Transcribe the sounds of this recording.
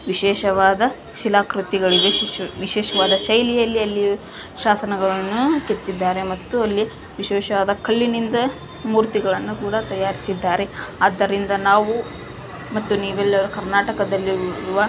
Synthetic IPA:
ʋiʃɛːʃɐʋaːd̪ɐ | ʃilaːkɾut̪iɡɐɭid̪eʋiʃɛːʃɐʋaːd̪ɐʃɐjlijɐlːiɐlːi | ʃaːsɐnɐɡɐɭɐnːuket̪ːid̪ːaːɾe̞mɐt̪ːuɐlːi | ʋiʃɛːʃɐʋaːd̪ɐkʰɐlːinind̪ɐ | muːɾt̪iɡɐɭɐnːukuːɽɐt̪ɐjːaːɾisid̪ːaːɾe̞aːd̪ːɐɾind̪ɐnaːʋu | mɐt̪ːuniːʋɛlːɐʋɐɾukɐɾnaːʈɐkɐd̪ɐlːiɾuʋɐ

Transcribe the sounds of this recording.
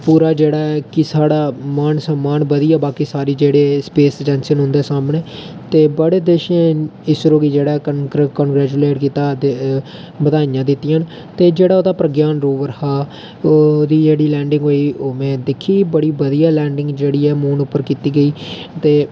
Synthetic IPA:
puːɾaːd͡ʒeːɽaːkɪsaːɽaːmaːnsəmːaːnbəd̪ijaːbaːkiːsaːɾiːd͡ʒeːɽeːspeːsd͡ʒɛːnsənɦʊ̃nd̪eːsaːmɳeːt̪eːbəɽeːd̪eːʃãːɪsɾoːɡid͡ʒeːɽaːkənɡɾɛːd͡ʒuːleːʈkiːt̪aːd̪ | bəd̪aːɪjãːd̪ɪt̪ːijan | t̪eːd͡ʒeːɽaːoːd̪aːpɾəɡjaːnɾoːʋəɾhaː | od̪iːd͡ʒeːɽiːlɛ̃ːɳɖɪŋɡɦoːiːoːmɛ̃ːd̪ɪkʰːiːbəɽiːbəd̪ijaːlɛːɳɖɪŋɡd͡ʒeːɽiːɛːmuːnʊpːəɾkiːt̪iːɡəiːt̪eː

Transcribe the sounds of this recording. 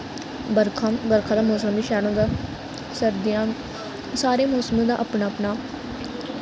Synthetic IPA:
bəɾkʰːbəɾkʰaːd̪aːmoːsəmʋiːʃɛːɽõːd̪aː | səɾd̪ɪjãː | saːɾeːmoːsəmẽːd̪a̰ːʔəpnaːəpnaː

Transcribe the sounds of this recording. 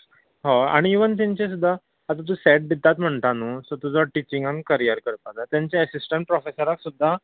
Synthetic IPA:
ɦoa̰ɽ̃iːʋənt̪̬ãɲt͡ɕes̬ud̪ʱːaː | t̪ãt̪̬ũːsɛʈ̚bit̪ːat̪m̤əɳt̪anusɔt̪ud͡zɔʈit͡ɕiŋɡankəɾijəɾkəɾpalat̪jaɲt͡ɕeəsisʈəɳʈ̚pɾɔfesəɾaksud̪ʱːa

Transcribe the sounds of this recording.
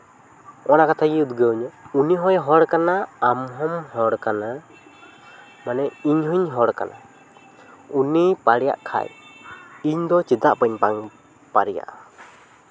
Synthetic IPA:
ɔnakat̪ʰaɡiud̪ɡəɲɔuniɦɔjɦɔɽkanaamɦɔmɦɔɽkana | manɛiɲɦuɲɦɔɽka̰nʔa̰ | unipaɽɛja̰ʔkʰa̰j | iɲd̪ɔt͡ʃid̪aʔpaɲpaŋ | pa̰ɾɛja̰ʔa

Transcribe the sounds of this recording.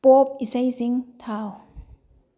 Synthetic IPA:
pop̚isejziŋt̪ʰaw

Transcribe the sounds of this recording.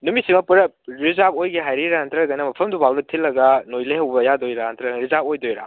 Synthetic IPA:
numisimɐpuɾɐ | ɾizabojɡeɦajɾiɾantʰɾɐɡɐnɐmɐpʰɐmdubʱawlɐtʰilːɐɡɐnojlehɐwbɐjadojɾaant̪ʰɾɐɾizabojdojɾa̰

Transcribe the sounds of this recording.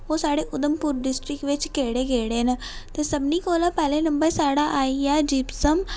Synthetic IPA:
oːsaːɽeːʔʊd̪əmpʊːɾɖɪsʈɾɪkʋɪt͡ʃkeːɽeːɡeːɽeːnː | t̪eːsəbniːkoːlaːpɛːleːnəmbəɾsaːɽaːʔaːijaːd͡ʒiːpsəm

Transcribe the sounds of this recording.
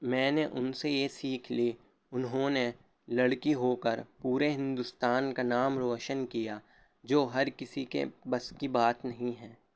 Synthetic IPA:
mɛ̃ːneʔʊnsejesiːkʰli | ʊnɦõne | lɐɽkiɦoːkəɾpuːɾeɦɪ̃nd̪ʊst̪aːnkanaːmɾoːʃənkija | d͡ʒoːɦɐɾkɪsikḛbɐskibaːt̪nɐɦĩɦɛ̃ː

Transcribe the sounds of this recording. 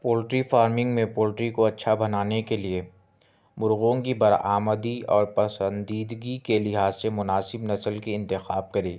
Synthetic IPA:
poːlʈɾifaːɾmɪ̃ŋɡmẽpoːlʈɾikoɐtːʃʰabɐnaːnekelie | mʊɾɣõkibɐɾa̰ːməd̪iɔːɾpɐsə̃nd̪iːd̪ɡikelɪɦaːzːemʊnaːsɪbnɐsəlkiɪ̃nt̪ɪxaːb̚kɐɾiː

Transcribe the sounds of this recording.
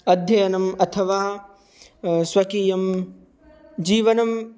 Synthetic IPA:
ɐd̪ʱjɐjɐnɐmɐt̪ʰɐʋaː | sʋɐkiːjɐm | d͡ʒiːʋɐnɐm

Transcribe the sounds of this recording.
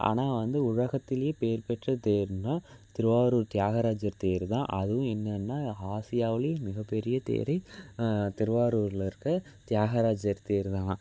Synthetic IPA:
ʔa̰ːnaːʋɐnd̪ɯʊɻɐɣɐt̪ːɪlɐjeːpeːɾpɛʈrɐt̪eːɾɯnːaːt̪ɪɾɯʋaːɾuːɾt̪ɪjaːɣɐɾaːd͡ʒɐɾt̪eːɾɯt̪ã̰ːʔɐðɯʋʊ̃ɛnːɐnːaːaːsɪjaːʋɪljemɪɣɐpːɛɾɪjɐt̪ḛːɾɐɪ | t̪ɪɾʋaːɾuːɾlɪɾɯkːɯ | t̪ɪjaːɣɐɾaːd͡ʒɐɾt̪eːɾt̪ãː

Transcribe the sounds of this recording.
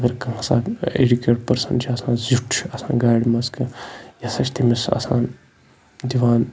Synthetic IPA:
ɐɡɐɾkɐ̃saːḛɖikeːʈpɐɾsɐnt͡ʃʰiɐsãːzuʈʰt͡ʃʰɐsã̰ːɡaːɽmɐskɐjɐsɐt͡ʃʰt̪imisɐ̰sã̰ːn | d̪iʋaːn

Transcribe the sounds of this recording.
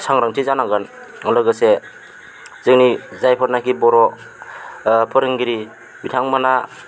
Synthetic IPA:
sʰaŋɾaŋtʰizanaɡan | ŋɔlɯɡɯse | zɯŋnizajpʰɔɾnakibɔɾɔ | pʰɯɾɯŋɡiɾi | bitʰaŋmana

